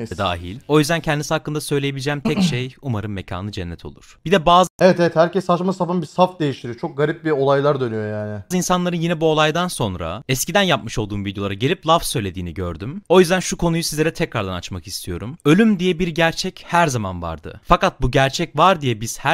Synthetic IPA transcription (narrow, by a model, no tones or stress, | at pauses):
d̪a̰ːɦḭlʲo̞jyzd̪æncʰɛnd̪isihakːɯnd̪asø̞jlʲejebilʲd͡ʒɛːmt̪ʰɛcʃejumaɾɯmmːecʰa̰ːnɯd͡ʒɛnːɛt̪ʰo̞lˠṵɾ̥b̥id̪ɛbaːzevɛt̪ɛɛt̪hæɾcʰɛsat͡ʃmasafanbisafd̪e̞jiʃt̪ʰiɾit͡ʃʰok̚ɡaɾip̚bio̞lˠajlˠaɾd̪ø̞nyjo̞jaːnɪzɯinsanlˠaɾɯnjinɛbuo̞lˠajd̪anso̞nɾa̰ɛscid̪ænjapmɯʃo̞lˠd̪uːmvid̪jo̞lˠaɾaɟelʲiplˠafsø̞jlʲe̞d̪iːniɟø̰ɾd̪ymo̞jyzd̪ænʃukʰonujusizlʲeɾɛt̪ʰɛcɾaɾd̪anat͡ʃmaki̥st̪ʰijo̞ɾumø̞lʲymd̪ijɛbiɾɟæɾt͡ʃʰɛchæɾzama̰nva̰ɾd̪ɯ̰fakat̪̚buɟæɾt͡ʃʰɛcvaɾd̪ijɛbiz̥hæ